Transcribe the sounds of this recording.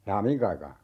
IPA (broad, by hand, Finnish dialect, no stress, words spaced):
jɑː miŋk ɑikɑː